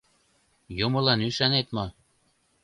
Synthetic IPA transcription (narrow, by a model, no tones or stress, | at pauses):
jomɤlɑnyʃɑnet̪mo